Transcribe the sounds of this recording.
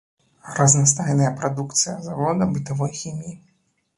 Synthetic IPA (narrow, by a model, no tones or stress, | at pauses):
rɐznast̪ajnɐjɐpɾad̪ukt̪sɨjɐzavɔd̪ɐbɨt̪avɔjxʲimʲji